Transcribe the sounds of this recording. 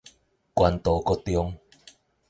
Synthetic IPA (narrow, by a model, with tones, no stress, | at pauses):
kwa˨nt̪ɔ˨˩kɔ˦t̪jɔ˦ŋ